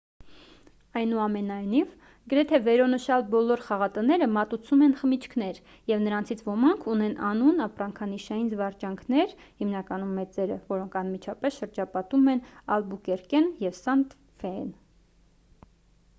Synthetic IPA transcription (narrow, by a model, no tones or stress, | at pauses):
ɑjnuɑmɛnɑjniv | ɡəɾɛt̪ʰɛvɛɾɔnəʃɑlbɔlɔɾχɑʁɑt̪ənɛɾəmɑt̪ut͡sʰumɛnχəmit͡ʃʰkʰnɛɾ | jɛvnəɾɑnt͡sʰit͡sʰvɔmɑŋkʰunɛnʔɑnunɑprɑŋkʰɑniʃɑjinzvɑɾt͡ʃɑŋkʰnɛɾ | himnɑkɑnumːɛt͡sɛɾə̰vɔɾɔŋkʰɑnmit͡ʃʰɑpɛsʃəɾd͡ʒɑpɑt̪umɛnɑlbukɛɾkɛnjɛvsɑnt̪ | fɛɛn